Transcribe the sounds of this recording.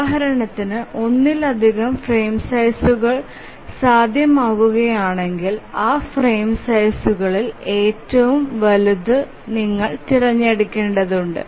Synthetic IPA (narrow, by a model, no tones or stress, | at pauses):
aːɦɐɾɐɳɐt̪ːinɨʔo̞nːilɐd̪ʱiɣɐmfre̞ːmsɐjsuɣɐɭ | saːd̪ʱjɐmaːɣuɣɐjaːɳe̞ŋɡilaːfreːmsɐjsuɣɐɭile̞ːtːɐʋumʋɐluðɨ | niŋːɐɭt̪irɐɲːeɽukʲːeːɳɖɐðuɳɖɨ̰